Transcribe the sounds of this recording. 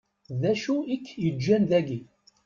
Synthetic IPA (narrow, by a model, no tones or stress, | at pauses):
ðæʃuikːjəd͡ʒːænðæɡi